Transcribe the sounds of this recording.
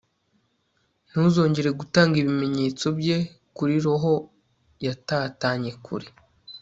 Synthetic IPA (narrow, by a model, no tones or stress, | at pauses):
n̥huːzo̞ːɲɟe̞ɾe̞ɡutaːŋɡiβime̞ɲe̞ːt͡so̞bje̞ | kuɾiɾoɦo̞ | jataːtaːɲe̞kʰṵɾi